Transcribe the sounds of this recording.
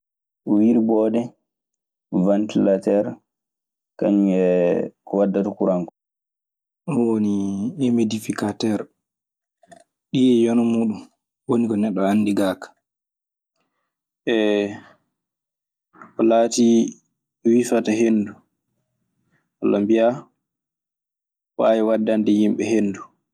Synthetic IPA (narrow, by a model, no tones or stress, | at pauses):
ɔwiɾbɔːɗɛ | vantilatɛɾ | kaɲuɛkɔwadːatakuɾaŋkɔ | ɔwoniɛmedifikatɛɾ | ɗiɛjɔnɔmuːɗum | wonikɔnɛɗːɔanːdiɡaːkḁ | ʔɛ | ʔɔlaːti | wifataɦenːdu | walːambija | wajɛwadːandɛjimɓɛhenːdu